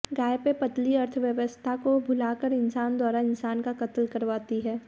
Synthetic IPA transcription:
ɡaːjpepɐt̪liɐɾt̪ʰʋjəʋəst̪ʰakobʱʊlaːkəɾɪnsaːnd̪waːɾaɪnsaːnkakɐt̪lkɐɾʋaːt̪iɦɛː

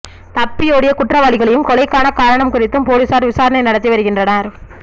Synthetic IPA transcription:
t̪ɐpːɪjoːɽɪjɐkʊʈrɐʋaːɭɪɣɐɭɐjɯmkɔlɐɪkːaːnɐkaːɾɐɳɐmkʊrɪt̪ːɯmpoːɻɯsaːɾʋɪsaːɾɐnɐɪnɐɽɐt̪ːiʋɐɾɯɣɪndrɐnɐɾ

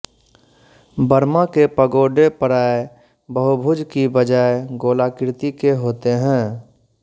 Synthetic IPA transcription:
bəɾmakepəɡoːɖepəɾaːe | bəɦʊbʱʊd͡ʒkibəd͡ʒaːeɡoːlakɪɾt̪ikeɦoːt̪eɦɛ̃ː

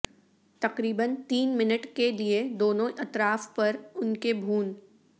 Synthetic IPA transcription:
t̪ɐqɾiːbənt̪iːnmɪnəʈkelied̪oːnõɐt̪ɾaːfpɐɾʊnkebʱuːn

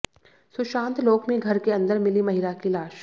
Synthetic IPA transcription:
sʊʃãːnt̪loːkmẽɡʱɐɾkeɐ̃nd̪əɾmɪlimɐɦɪlakilaːʃ

